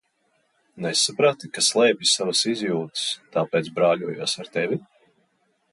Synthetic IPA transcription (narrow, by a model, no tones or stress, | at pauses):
nɛsːapɾat̪ikaslˠɛːbʲisavasizʲjuːt̪st̪aːpɛːt̪sbɾaːlʲuɔjuɔsaɾt̪ɛvʲi